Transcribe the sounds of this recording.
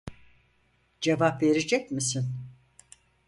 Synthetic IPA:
d͡ʒevapve̞ɾed͡ʒɛcmisin

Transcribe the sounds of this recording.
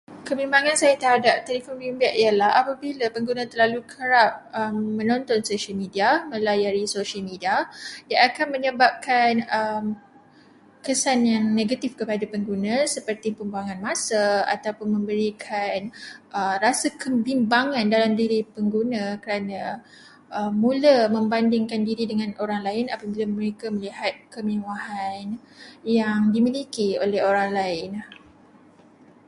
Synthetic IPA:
kəbimbaŋãnsajat̪əhadap̚t̪elifɔnbimbaʔiəlahapabilapəŋɡunãt̪ərlalukʰəɾap̚əmːə̃nɔ̃nt̪ɔnsoʃəlmĩdiamə̃lajaɾisoʃəlmidiajaʔakanməɲəbap̚kʰanəm | kəsanjaŋnẽɡat̪ifkəpadapəŋɡunãsəpərt̪ipəmbaŋãnmãsəa̰t̪awpʊnmə̃mbəɾikʰanʔərasakəbimbaŋãndalamdiɾipəŋɡunãkəɾana | ʔəmũləmə̃mbandɪŋkandiɾidəŋãnoɾaŋlaɪnapabilaməɾekaməliɦat̪̚kəminwahan | jaŋdimilikiolɛhoɾaŋlaɪn

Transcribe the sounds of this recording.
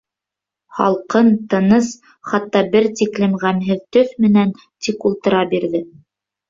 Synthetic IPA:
χɑ̰lˠqɤnt̪ɤ̆nɤs | χɑt̪ːɑbɘɾt̪iklɘ̆mʁæmɦɘðt̪ɵθmɘ̆næn | t̪ikulˠt̪ɤ̆ɾɑbiɾðɘ

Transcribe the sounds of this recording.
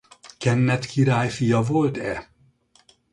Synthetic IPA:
kɛnːɛt̪kʰiɾaːjfijɒvo̞lt̪ɛ

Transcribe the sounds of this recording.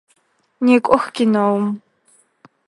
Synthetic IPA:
neːkʷʼʊxɡʲɪnowm

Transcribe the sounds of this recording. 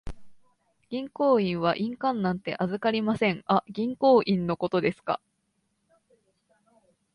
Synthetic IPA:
ɡ̥ʲĩŋko̞ːĩɰ̃β̞aʔĩŋkãnːãnt̪e̞ʔazɨkaɾʲimasẽ̞ŋaɡʲĩŋko̞ːʔĩnːo̞ko̞t̪o̞d̪e̞sɨ̥ka̰

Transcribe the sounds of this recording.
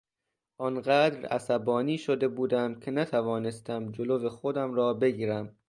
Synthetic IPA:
ʔɒnɢæːd̪ɾæ̰sæbɒːniːʃod̪e̞buːd̪æmcʰe̞næt̪ʰævɒːnest̪ʰæmd͡ʒoloːvexod̪æmɾɒːbe̞ɡiːɾæm

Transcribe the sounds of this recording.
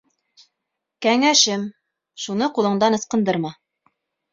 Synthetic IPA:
kæŋæʃɘm | ʃunɤqulˠɤ̆ɴd̪ɑnɤ̆sqɤ̆nd̪ɤɾmɑ

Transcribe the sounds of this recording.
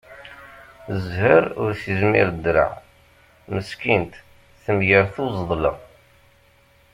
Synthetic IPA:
zhəɾʊɾsizmḭɾd̪ːɾa̰ | məskint̪ | θəmjəɾθuzˤðˤlɑ̰

